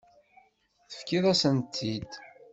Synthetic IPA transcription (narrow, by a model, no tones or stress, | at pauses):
θə̥fkiðˤæsənt̪ʰːid̪